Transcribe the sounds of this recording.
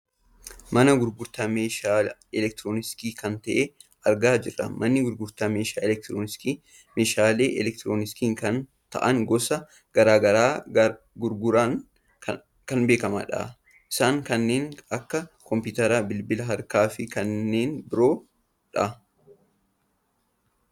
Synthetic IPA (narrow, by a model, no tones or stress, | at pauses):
mɐnɐɡʊɾɡʊɾt̪ɐmeʃaɛlɛk̚t̪ɪɾoːnɪskiːkɐnt̪ɐʔe | ɐɾɡaːd͡ʒɪrːɐ̰mʔɐnːɪɡʊɾɡʊɾt̪ɐmeːʃaːɛlɛkt̪ɾonɪski | meːʃaːle̞ːʔɛlɛk̚t̪ɪɾoːnɪskiːŋkɐn | t̪ɐ̰ʔɐŋɡɔsɐ | ɡ̥ɐɾaːɡɐɾaː | ɡʊɾɡʊɾaːn | kɐnbe̞ːkɐmɐ̰ᶑɐ̰ | ʔɪ̥saːŋkɐnːe̞ːnɐkːɐkɔmpɪt̪ɐɾaːbɪlbɪlɐɦɐɾkaːfɪkɐnːe̞ːnbɪɾo̞ː | ᶑɐ